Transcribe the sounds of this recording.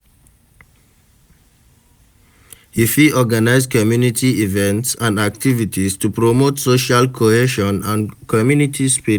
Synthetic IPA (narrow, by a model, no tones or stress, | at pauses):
hifiɔɡanaɪzkʰɔmjunitʰiivɛ̃ntsãndak̚tivitistupɹomotsoʃalkʰoheʃɔ̃nãnkʰɔmjunitʰispi